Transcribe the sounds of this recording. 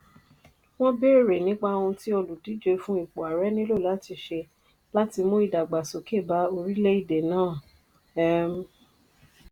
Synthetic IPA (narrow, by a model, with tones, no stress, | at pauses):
w̃ɔ̃˦be˦˨ɾe˨nĩ˨˦k͡pa˧ũ˧ti˦o˧lu˨di˨˦d͡ʒe˧fũ˦i˦˨k͡po˨a˨ɾɛ˨˦nĩ˦lo˦˨la˨˦ti˧ʃe˧ | la˦ti˧mũ˦i˦˨da˨ɡ͡ba˨so˨ke˦˨ba˨˦o˧ɾi˦le˦i˦˨de˨nãː˦˨ | ɛ˦m̩˧˦